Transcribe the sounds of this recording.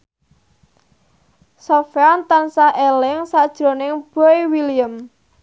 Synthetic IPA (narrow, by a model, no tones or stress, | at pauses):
sofeant̪ansaʔelɪŋsad̥ʒ̥ɾo̤nɪŋb̥ojwiliəm